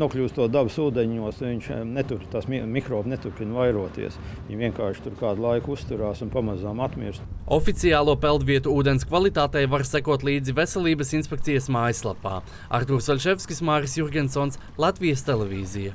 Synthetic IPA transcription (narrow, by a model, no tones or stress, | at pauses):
nuɔklʲuːst̪uɔd̪absuːd̪ɛɲuɔsnuviɲt͡ʃnɛt̪uɾt̪asmmʲikɾoːbnet̪uɾpʲinvajɾuɔt̪ḭɛsʲ | ḭɲviɛŋkaːʃt̪uɾkaːd̪lˠajkust̪uɾaːsunpamazaːmat̪mʲiɾst̪ofit̪sijaːlˠuɔpɛlˠd̪viɛt̪uuːd̪e̞nskvalˠit̪aːt̪ɛjvaɾsækuɔt̪lˠiːd̪zivesɛlˠiːbɐsinspʲɛkt̪sijɐsmaːjslˠapa̰ː | a̰ɾt̪uɾsɔlʲʃɛfskʲismaːɾisjuɾɡʲensoːnslˠat̪vijɐst̪elˠevʲḭːzijɐ